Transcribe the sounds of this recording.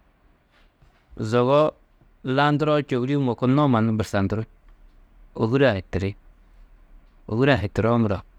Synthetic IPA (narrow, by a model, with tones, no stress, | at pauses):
zo˨ɣɔ˦ | la˦n˦du˦ɾo˦t͡ʃo˨wɾi˦mo˨ko˦no˦ma˨nu˦bə˨ɾsa˨n˨du˦ɾu˦ | o˨ɡu˦ɾa˨hi˨ti˨ɾi˦ | o̰˨ɡu˦ɾa˨ɦi˨ti˨ɾo˦mu˨ɾo˨